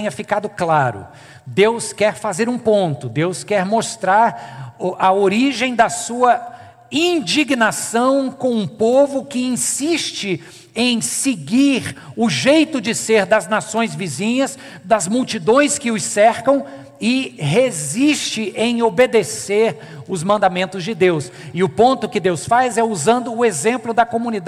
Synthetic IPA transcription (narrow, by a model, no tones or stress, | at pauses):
ɲɐfikad̪ʊklaɾʊ̰ | d̪ewskɛɾfazeɾũpõnt̪ʊd̪ewskɛɾmost̪ɾaɾʔɐoɾiʒẽj̃d̪ɐsuɐ | ĩd͡ʒiɡnasɐ̃w̃kõw̃ũpovʊkɪĩsiʃt͡ʃɪ | ẽj̃seɡiɾʊʒejt̪ʊd͡ʒɪseɾd̪ɐznasõj̃zvizĩɲɐz | d̪ɐzmuwt͡ʃid̪õj̃skɪʊsɛɾkɐ̃w̃ | ɪɦeziʃt͡ʃɪʔẽj̃obed̪eseɾ | ʊzmɐ̃nd̪amẽnt̪ʊzd͡ʒɪd̪ews | ɪʊpõnt̪ʊkɪd̪ewsfajzɛuzɐ̃nd̪ʊːezẽmplʊd̪ɐkomũnid̪a